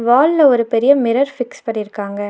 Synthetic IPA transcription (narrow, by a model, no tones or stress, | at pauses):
ʋaːllɐɔɾɯpɛɾɪjɐmɪɾɐɾfɪkspɐʈːɪɾɯkːaːŋɡɐ